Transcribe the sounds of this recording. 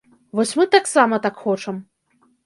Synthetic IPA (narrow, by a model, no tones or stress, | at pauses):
ʋɔsʲmɨt̪aksamɐt̪akxɔt͡ʂɐm